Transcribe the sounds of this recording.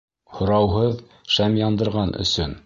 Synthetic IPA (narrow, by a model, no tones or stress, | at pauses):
hŏɾɑwɦɤð | ʃæmjɑnd̪ɤ̆ɾʁɑnʔɵ̰̆sɵn